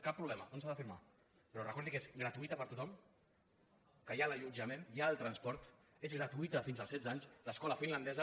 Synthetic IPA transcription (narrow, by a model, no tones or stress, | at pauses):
kapːɾuβlɛməonsaðəfiɾma̰ | pɾɔrəkɔɾðikezɡɾət̪uit̪əpəɾt̪ut̪ɔm | kəjaləʎud͡ʒəmẽnjaːlˠt̪ɾənspɔɾt̪ | ezɣɾət̪uit̪əfinzəlˠsɛd͡zaɲsləskɔləfinland̪ɛzə